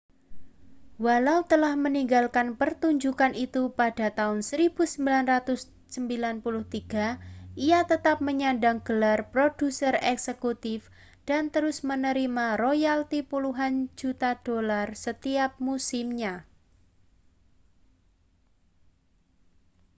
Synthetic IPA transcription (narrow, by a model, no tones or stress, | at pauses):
walaut̪əlahməniŋɡalkanpərt̪uɲd͡ʒukanʔit̪upad̥a̤t̪aʊnsəɾib̥usəmbilanrat̪ʊsː | əmbilanpulʊht̪iɡ̥a̤ʔijat̪ət̪ap̚məɲandaŋɡ̥əlarpɾod̥usərɛksəkut̪ɪf | d̥ant̪əɾʊsmənəɾimarojalt̪ipuluɦand͡ʒut̪ad̥olarsət̪iap̚musɪmɲa